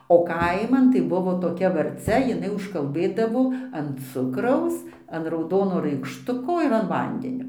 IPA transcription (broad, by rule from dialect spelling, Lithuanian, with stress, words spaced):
oː ˈkɐɪmɐn tɐɪ ˈbʊʋoː toːˈkʲɛ ʋɐrʲˈt͡sʲɛ jɪˈnɐɪ ʊʃkɐlˠˈbɘdɐʋoː ɐn ˈt͡sʊkrɐʊs ɐn rɐʊˈdoːnoː rɐɪkʃˈtʊkoː ɪr ɐn ˈʋɐnʲdʲɛnʲoː